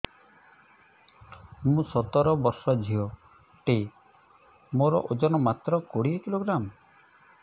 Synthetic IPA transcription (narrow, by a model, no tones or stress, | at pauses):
mũsɔt̪ɔɾɔbɔɾsɔd͡ʒʱiɔ | ʈe | moɾɔ̰ʔod͡ʒɔnɔmat̪ɾɔkoɽiekiloɡɾam